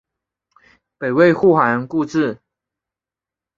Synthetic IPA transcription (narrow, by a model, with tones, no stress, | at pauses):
pe˨˩ɪwe˥˧ɪxu˥˩xa˧˦˥nku˥˧ʈ͡ʂɻ̩˥˩